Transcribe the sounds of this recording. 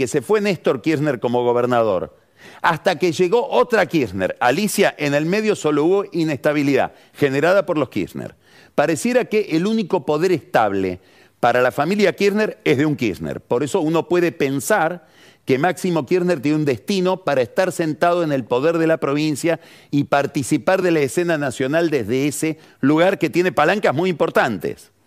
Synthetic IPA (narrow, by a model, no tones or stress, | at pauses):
kesefwe̞nest̪o̞ɾkiɾneɾko̞mo̞ɣ̞o̞β̞eɾnaðo̞̰ɾ | ast̪akeʒeɣo̞ʔot̪ɾakiɾneɾalisjaʔenelme̞ðjo̞so̞lo̞uβo̞ʔine̞st̪aβ̞iliða̰ | xe̞ne̞ɾaðapo̞ɾlo̞hkḭsnḛɾ | paɾe̞sje̞ɾakeʔeluniko̞po̞ðe̞ɾest̪aβ̞lḛ | paɾalafamiljakiɾne̞ɾe̞zðeuŋkḭsnḛɾpo̞ɾe̞so̞uno̞pwe̞ðepe̞nsaɾ | kemaksimo̞kiɾneɾt̪jeneund̪e̞st̪ino̞paɾaest̪aɾse̞nt̪að̞o̞enelpo̞ðeɾðe̞lapɾo̞βinsja | ipaɾt̪isipaɾðelaese̞nanasjo̞nald̪e̞zðeese | luɣaɾke̞t̪je̞nepalaŋkaɦmujimpo̞ɾt̪ant̪ḛs